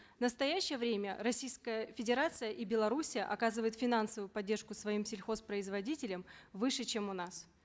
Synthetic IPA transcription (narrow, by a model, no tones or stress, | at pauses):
vnəst̪ɐjæɕːɪjəvɾʲemʲə̰ɾɐsʲijskəjəfʲɪdʲɪɾat̪sɨjəʔibʲɪlˠɐɾusʲɪjə̰ʔɐkazɨvəjɪt̪fʲɪnansəvʊjʊpɐdʲːe̞rʂkʊsvɐimsʲɪlʲxo̞spɾəɪzvɐdʲitʲɪlʲəmvɨʂɨt͡ɕemʊnas